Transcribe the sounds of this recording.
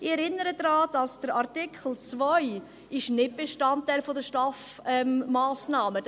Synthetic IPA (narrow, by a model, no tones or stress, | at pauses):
ɪɛɾɪnːəɾədɾɑːd̥ɑsd̥əɾɑɾtɪkʰəl̩t͡svɔj | ɪʃnɪt̚b̥eʃtɑntːaɪlfodəʃtɑf | ɛmmaːsnɑːməd